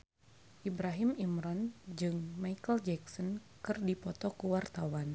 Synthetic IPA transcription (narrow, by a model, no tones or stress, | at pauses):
ʔibɾaɦimimɾɔnd͡ʒɨŋmaikəld͡ʒɛksɔn | kɨrdipɔt̪ɔkuwart̪awan